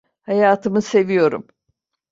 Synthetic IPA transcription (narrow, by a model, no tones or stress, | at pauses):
hajaːt̪ʰɯmɯse̞vijo̞ɾṵm